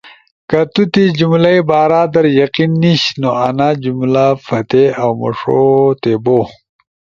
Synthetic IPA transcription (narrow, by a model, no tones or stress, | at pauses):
kɐt̪ut̪id͡ʑumlɐjbaːɾaːd̪ɐɾjɐqinːiɕnoɐnad͡ʑumlafɐt̪eawmɐ̰ʂot̪ebo